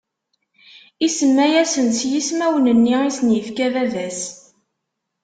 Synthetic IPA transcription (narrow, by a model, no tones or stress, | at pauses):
isəmːæjæsənsjismæwənənːiisnjəfkævæðæs